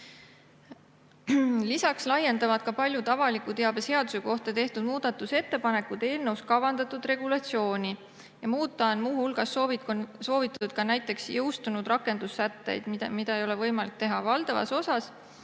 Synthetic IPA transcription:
lisɑkslɑjːe̞nd̪̥ɑvɑd̪̥̚kɑpɑlʲjut̪ɑvɑlikut̪eɑb̥ese̞ɑd̪useko̞ht̪ɑt̪e̞ht̪ud̪̥̚muːd̪̥ɑt̪ːˑuse̞t̪ːe̞pɑne̞kːud̪̥e̞ːlnɤwskɑvɑnd̪ɑt̪ːˑud̪re̞ɡ̥ulɑt̪sio̞ːnʲi | jɑmuːt̪ˑːɑonmuːhulɡ̥ɑsovso̞ːvit̪ːˑɑt̪ud̪̥kɑnæjt̪ːˑe̞ksjɤwst̪unud̪rɑkːe̞nd̪usːæt̪ːe̞̰jd̪̥mmid̪̥ɑejo̞le̞vɤjmɑlik̚t̪e̞ɦɑvɑld̪ɑvɑ̰so̞sɑs

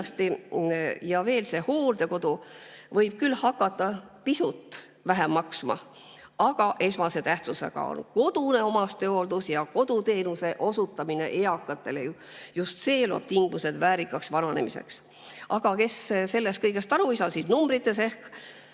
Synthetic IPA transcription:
st̪i | jɑve̞ːlse̞ho̞ːld̪e̞ko̞d̪̥uvɤjb̥̚kylːhɑkːˑɑt̪ːˑɑ | pisut̪ːˑ | væɦemːɑksmɑ̰ | ɑɡ̥ɑʔe̞smɑse̞t̪æht̪suse̞̰ɡ̥ɑ̰o̰nko̞d̪̥une̞o̞mɑst̪øold̪̥usjɑko̞d̪̥ut̪e̞ːnuse̞ʔo̞sut̪ːˑɑmine̞̰ʔeɑkːˑɑt̪ːˑe̞leju | just̪se̞ːloɑ̰b̥̚t̪iŋɡuse̞d̪væːɾikːˑɑksvɑnɑne̞̰mise̞̰ks | ɑɡ̥ɑke̞sse̞lːest̪kɤjɡ̥e̞st̪ɑɾuisɑsid̪̥numbrit̪ːˑe̞s̬e̞hk

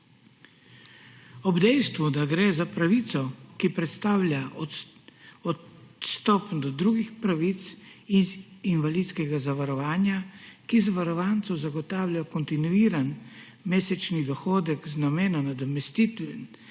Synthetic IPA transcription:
ɔbd̪ɛjst̪ʋud̪aɡɾeːzapɾaʋit̪sɔkipɾɛt̪st̪aːwlʲja | ɔt̪st̪ɔːpd̪ɔd̪ɾuːɡixpɾaʋit̪siinʋaliːd̪skɛɡazaʋaɾɔʋaːnjakizaʋaɾɔʋaːnt̪sɔzaɡɔt̪aːwlʲjakɔnt̪inuiːɾan | meːsɛt͡ʃnid̪ɔxoːd̪ɛkznameːnɔnad̪ɔmɛst̪it̪

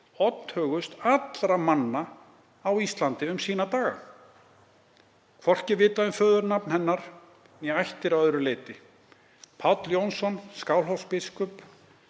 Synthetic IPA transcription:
ɔt̪n̥hœːɣʏst̪at̪lɾamanːa | awist̪lant̪ɪʏmsiːnat̪aːɣa̰ | kʰvɔr̥cɪɾvɪːt̪aðʏmfœːðʏɾnapnhɛnːaɾ̥ | nɛajht̪ɪɾaœðɾʏleːjt̪ɪ | pʰawt̪ljownsɔnskawlɦɔwfspɪskʏp

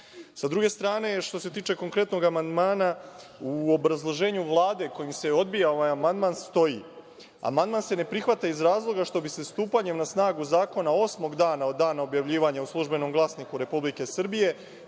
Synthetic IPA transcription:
sad̪ɾuɡe̞st̪ɾaːne̞ʃt̪o̞se̞t̪iːt͡ʃe̞ko̞ŋkɾe̞t̪no̞ɡamand̪maːnauobɾazlˠo̞ʒe̞ːɲuʋlˠaːd̪e̞ko̞jimseo̞d̪̚bijao̞ʋajamand̪manst̪o̞jḭ | a̰mand̪̚manse̞ne̞pɾixʋat̪aizɾaːzlˠo̞ɡaʃt̪o̞bise̞st̪uːpaɲe̞mnasnaːɡuzaːko̞nao̞smo̞ɡd̪aːnaod̪aːnao̞bjaʋʎiːʋaɲauslˠuʒbe̞no̞mɡlˠaːsnikuɾe̞publike̞sr̩bije̞

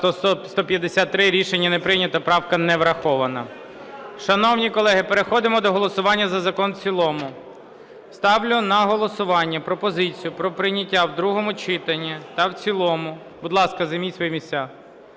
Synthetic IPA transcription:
t̪ɔsɔst̪ɔpʲjɐd̪esʲat̪ːɾɪɾʲiʃenʲːɐnepɾɪjnʲɐt̪ɐpɾɑwkɐnɛʋɾɐxɔʋɐnɐ | ʃɐnɔwnʲikɔlˠɛɦɪpeɾexɔd̪ɪmɔd̪ɔɦɔlˠɔsʊʋɑnʲːɐzɐzɐkɔnt͡sʲilˠɔmʊ | st̪ɑwlʲʊnɐɦɔlˠɔsʊʋɑnʲːɐpɾɔpɔzɪt͡sʲijʊpɾɔpɾɪnʲɐtʲːawd̪ɾuɦɔmʊt͡ʃɪt̪ɐnʲːit̪ɐwt͡sʲilˠɔmʊ | bʊd̪lˠɑskɐzɐmʲisʲʋɔjmʲisʲt͡sʲa

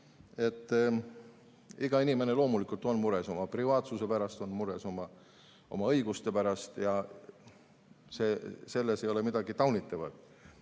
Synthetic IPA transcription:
e̞t̪ː | iɡ̥ɑinime̞ne̞lo̞ːmulikult̪ˑo̞nmuɾe̞so̞mɑprivɑːt̪suse̞pæɾɑst̪o̞nmuɾe̞so̞mɑ | o̞̰mɑɤ̞jɡust̪e̞pæɾɑst̪jɑ | se̞ːse̞lːese̞jo̞le̞mid̪̥ɑɡ̥it̪ɑwnit̪ːˑɑvɑ̰d̪̥

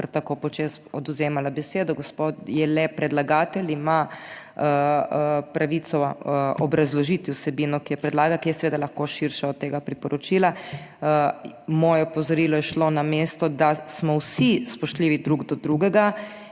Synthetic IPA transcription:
əɾt̪akopɔt͡ʃesɔd̪uzeːmalabɛseːd̪ɔɡospot̪jɛlɛpɾɛd̪laɡaːt̪ɛlima | pɾaʋit̪sɔɔ̰bɾazlɔʒit̪iusɛbiːnɔkijɛpɾɛd̪laːɡakijɛsɛʋeːd̪alaxkoʃiɾʃaɔt̪̚ːeːɡapɾipɔɾɔt͡ʃiːla | mɔːjɛpozɔɾiːlɔjɛʃlonameːst̪ɔd̪asmɔwsispɔʃt̪liːʋid̪ɾuɡd̪ɔd̪ɾuːɡɛɡa

